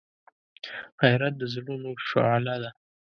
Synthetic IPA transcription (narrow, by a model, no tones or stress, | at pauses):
hajɾat̪̚d̪əzlunoʃo̰alad̪a